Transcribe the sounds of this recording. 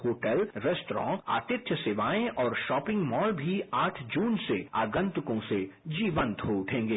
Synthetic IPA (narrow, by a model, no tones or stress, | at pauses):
hoːʈəlɾɛsʈɾɔ̰̃ːa̰ːt̪ɪt̪ʃjəseːʋaːẽʔɔːɾʃɔːpɪ̃ŋɡmɔːlbʱiaːʈʰd͡ʒuːnsea̰ːɡə̃nt̪ʊkõsed͡ʒiːʋə̃nt̪ɦoʊʈʰẽːŋɡeː